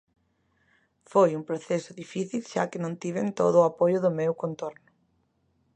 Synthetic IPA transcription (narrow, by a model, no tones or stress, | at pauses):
fojumpɾoθesʊðifiθilʃa̰kɪnõnt̪iβent̪o̰ðʊːapojʊðʊmewkõnt̪oɾnʊ